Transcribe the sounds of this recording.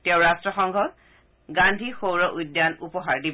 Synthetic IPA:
tɛʊɹastɹɔxɔŋɡʱɔt | ɡandʱixowɹɔʔujdːjanupɔɦaɹdib

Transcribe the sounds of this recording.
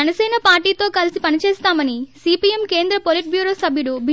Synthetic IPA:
ɛnɐsɛːnɐpaːɾʈiːt̪o̞ːkɐlisipɐnit͡ʃeːst̪aːmɐnisiːpiemke̞ːnd̪ɾɐpoliʈ̚bjuːɾo̞ːsɐbʱjuɽubʱi

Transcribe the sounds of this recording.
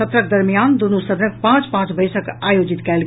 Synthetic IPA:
ət̪ɾək̚d̪əɾmijaːnd̪onusəd̪ʱnək̚pãːt͡ʃpãt͡ʃbəjsəkajod͡ʒit̪kɛːlɡ

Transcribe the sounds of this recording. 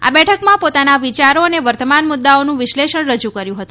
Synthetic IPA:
a̰bɛʈʰəkmãpot̪anaʋit͡ʃaɾoəneʋəɾt̪əmanmʊd̪ːaonũʋɪʃleʃəɳɾəd͡ʒukəɾjũɦət̪ũ

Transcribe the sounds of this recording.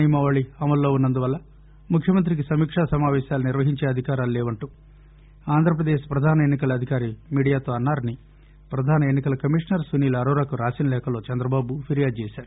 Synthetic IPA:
ijmɐʋaːɭiɐmɐlːo̞ːunːɐnd̪uʋɐlːɐ | mukʰjɐmɐnt̪ɾikisɐmiːkʂaːsɐmaːʋɛːʃaːlɐniɾʋɐɦiɲt͡ʃe̞ːɐd̪ʱikaːɾaːluleːʋɐɳʈuː | aːnd̪ʱɾɐp̬ɾɐd̪eːʃpɾɐd̪ʱaːnɐenːikɐlɐɐd̪ʱikaːɾimiːɽijaːt̪o̞ːɐnːaːɾɐni | pɾɐd̪ʱaːnɐenːikɐlɐkɐmiːʂnɐɾsʋuniːlɐɐɾɐːɾakuɾaːsinɐlɛːkɐlo̞ːt͡ʃɛnd̪ɾɐbaːbupʰiɾijaːd̪̚t͡ʃɛːsaːɾu

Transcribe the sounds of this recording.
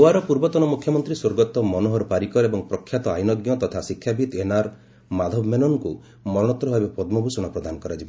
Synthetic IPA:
owaɾɔpuɾbɔt̪ɔnɔmukʰjɔmɔnt̪ɾiswoɾɡɔt̪ɔmɔnoɦɔɾɔpaɾikɔɾebɔŋpɾɔkʰːjat̪ɔajnɔɡjɔt̪ɔt̪ʰasikʰːjabʱit̪enaɾ | mad̪ʱɔbmenɔŋku | mɔɾɔɽ̃ɔt̪ːɾɔɦebapɔd̪mɔbʱusɔɽ̃ɔpɾɔd̪ʱanɔkɔɾad͡ʒibɔ

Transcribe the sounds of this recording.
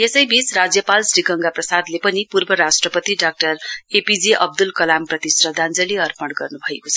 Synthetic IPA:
jesʌjbit͡srad͡zjʌpalsriɡʌŋɡaprʌsad̪lepʌnipurbʌɾasʈrʌpʌt̪iɖak̚ʈʌrepid͡ziʔʌb̚d̪ulkʌlamprʌt̪isrʌd̪ʱand͡zʌliʌrpʌɽɡʌrnubʱʌekot͡sʰʌ

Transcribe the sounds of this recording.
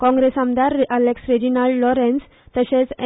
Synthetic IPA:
kɔ̃ŋɡɾesamd̪aɾəleksɾed͡ʑinalɖlɔɾẽns | t̪əɕẽt͡s

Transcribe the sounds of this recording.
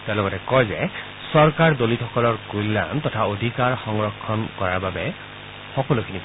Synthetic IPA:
telɔɡɔtɛkɔjzɛ | sɔɹkaɹdolitxɔkɔlɔɹkulːa̰mtɔtʰaodʱikaɹxɔŋɹɔkʰːɔnkɔɹaɹbabɛ | xɔkɔlukʰinip

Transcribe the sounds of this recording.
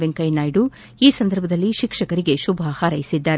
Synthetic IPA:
ʋeŋkɐjnaːjɖu | iːsɐnd̪ʱɐɾbʱɐd̪ɐlːiʃikʂɐkɐɾiɡe̞ʃubʱahaɾɐjisid̪ːaːɾe

